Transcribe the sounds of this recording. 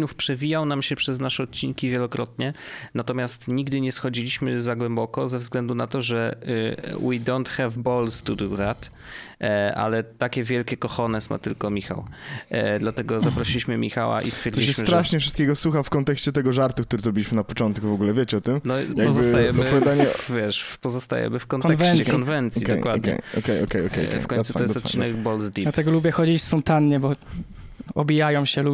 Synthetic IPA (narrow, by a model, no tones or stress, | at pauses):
nufpʂɛvʲijawnamɕɛpʂɛznaʂɛɔt̪̚t͡ɕiŋkʲivʲjɛlɔkɾɔt̪ɲɛnat̪ɔmʲjast̪ɲiɡd̪ɘɲɛsxɔd͡ʑilʲiɕmɘzaɡwɛmbɔkɔzɛvzɡlɛnd̪unat̪ɔʐɛ | wḭd̪ɔ̃nt̪xɛvbɔlst̪ud̪uðat̪ | a̰lɛt̪akʲɛvʲjɛlkʲɛkɔxɔnɛsma̰t̪ɘlkɔmʲixa̰w | d̪lat̪ɛɡɔzapɾɔɕilʲiɕmɘmʲḭxa̰wa̰ʔḭst̪fjɛɾd͡ʑ̪ɔiɕɛsmt̪ɾaʂɲɛfʂɨst̪kʲeɡɔswuxafkɔnt̪ɛkɕt͡ɕɛt̪ɛɡɔʐaɾt̪uk̚t̪uɾɛzɾɔbʲilʲiɕmɘnapɔt͡ʂɔnt̪kuvɔɡulɛvʲjet͡ɕɛɔt̪ɘmnɔjaɡpɔzst̪ajɛmpɔvjad̪aɲɛvʲjɛʂpɔzɔst̪a̰jɛ̰mɘfkɔnk̪ɛvɛnkɔnvɛnt̪sɔjidkd̪ɔjkwad̪kɛ̰jɔkɛjɔkɛjɔ̰kɛ̰jɔ̰kfkɔ̃j̪sut̪ɔjɛst̪finnɛɡbɔlzd̪id̪at̪ɛɡɔlubʲjɛxɔd͡ʑit͡ɕssɔnt̪anɲɛbɔ | ɔbʲijajɔ̃wɕɛlu